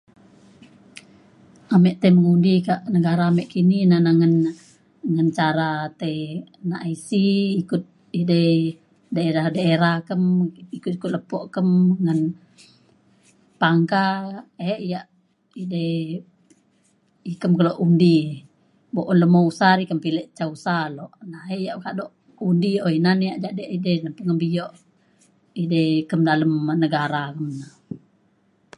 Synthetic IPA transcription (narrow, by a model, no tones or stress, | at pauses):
amɛʔt̪eməŋundikaʔnəɡaɾaːmɛʔkininanaŋən | ŋant͡ʃaɾat̪enaʔasiːkut̪̚ | idə | daeɾahdaeɾahkəmikut̪̚ikut̪̚ləpɔʔkəmŋən | paŋkaɛijaʔ | ide | ikəmkəloʔundi | boʔɔnləmousaɾikəmpilɛʔt͡ʃausalɔʔnaeijaʔkaʔdoʔ | undioinanijaʔd͡ʒaʔdɛʔidɛnəmpəŋəmbijoʔ | idɛikəmdaləmnəɡaɾakəmna